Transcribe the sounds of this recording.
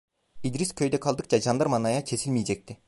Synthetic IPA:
id̪ɾiskʲʰø̞jd̪ɛkʰɑlˠd̪ɯq̚t͡ʃɑd͡ʒɑnd̪ɑɾmɑnɑjɑt͡ʃʰe̞silʲmijed͡ʒɛk̚t̪ɪ

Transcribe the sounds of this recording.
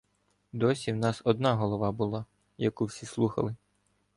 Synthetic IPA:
d̪ɔsʲiwnɑsɔd̪nɑɦɔlˠɔʋɑbulˠɑ | jɐkuwsʲislˠuxɐ̰lˠɪ

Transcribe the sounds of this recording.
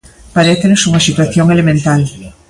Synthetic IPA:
paɾeθenosuŋasit̪waθjoŋelemẽnt̪al

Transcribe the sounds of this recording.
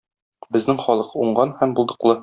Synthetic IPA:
bɘ̆znɘŋχɒlˠɤquɴɢɑnhæmbulˠd̪ɤ̆qlˠɤ

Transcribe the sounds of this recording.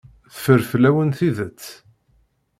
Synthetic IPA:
θəfəɾflæwənθiðət͡sː

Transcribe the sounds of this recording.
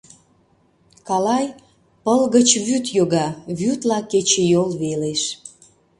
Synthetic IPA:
kɑlɑj | pəlɣət͡ɕβyt̪joɣɑβyt̪lɑket͡ɕejolβeleʃ

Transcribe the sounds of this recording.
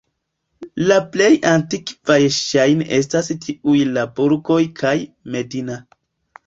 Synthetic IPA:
laple̞jantikvajʃajne̞s̬tastʰiujlaboɾɡo̞jkʰajme̞dina

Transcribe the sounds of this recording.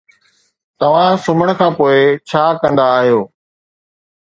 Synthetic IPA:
t̪ɐʋ̤ãsʊməɽ̃kʰãːpoːɪt͡ɕʰaːkɐ̃nd̪aːɦijoː

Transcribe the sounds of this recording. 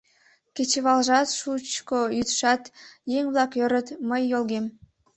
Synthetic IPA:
ket͡ɕəβɑlʒɑt̪ʃut͡ɕkojyt̪ʃɑt̪jeŋβlˠɑkjøɾət̪məjːolɣem

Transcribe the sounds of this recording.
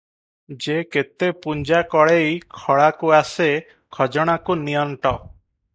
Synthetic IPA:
d͡ʒeket̪epuɲd͡ʒakɔɭejkʰɔɭakuase | kʰɔd͡ʒɔɽ̃akunijɔɳʈɔ

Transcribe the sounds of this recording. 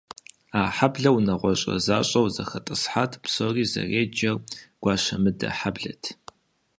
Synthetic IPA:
aːħabɮɐwnɐʁʷɔɕʼɐ̰zaːɕʼɐwzɐxɐtʼɨsħaːtʰpsoːriːzɐ̰reːd͡ʒɐrɡ̥ʷɑːʃɐmɨdɐ̰ħabɮɐ̰tʰ

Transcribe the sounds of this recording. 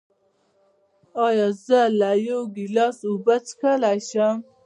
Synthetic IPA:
ɑjɑzəlajoɡilɑsubat͡skʰalajɕam

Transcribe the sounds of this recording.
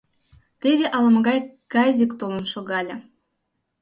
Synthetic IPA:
t̪eβʲeʔɑlˠɑ̆mɤ̆ɣɑjkɑzʲikt̪olˠə̆nʃoɣɑlʲə̆

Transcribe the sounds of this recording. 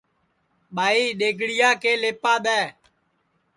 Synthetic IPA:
ɓaːiːɗeːɡɽɪjaːkeːleːpãːɗ̪ɛː

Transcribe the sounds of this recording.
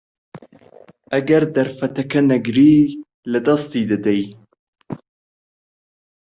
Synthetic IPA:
ʔɐɡɐɾd̪ɐɾfɐt̪ɐkʰɐnɐɡɾiː | lɐd̪ɐst̪iːd̪ɐd̪ɛj

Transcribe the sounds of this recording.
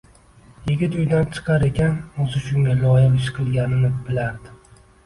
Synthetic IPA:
jɪɡʲɪt̪ʊjd̪ant͡ʃʰɨ̥qʰɑɾe̞kʲanozɪʃʊŋɡʲalɒjɪqɪʃqʰɨlˠɡʲanɪnɪb̥ɪlaɾd̪ɪ

